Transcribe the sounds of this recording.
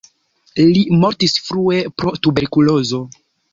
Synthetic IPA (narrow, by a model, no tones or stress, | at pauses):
limo̞ɾtisfɾue̞pɾo̞tube̞ɾkulo̞zo̞